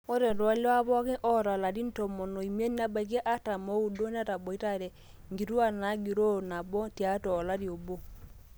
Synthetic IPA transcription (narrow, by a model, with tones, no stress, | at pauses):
o˦ɾɛ˨ɾwa˨˦la˦βɔ˦kɪ˦ʔɔ˦˨ɾa˨la˨di˦n˦tɔ˨mɔ˨no˨i˨mje˦n˦a˨˦ba˨k̬e˦ʔa˦ta˨mo˦u˦˨do˦n˦a˦ta˨bɔ˨i˦ta˦˨ɾɛ˨ | ŋɡi˨ɾu˦a˦˨na˨˦ɡi˨ɾo˦na˨bɔ˦ti˨a˨˦tɔ˨la˦ɾi˨o˨bo˦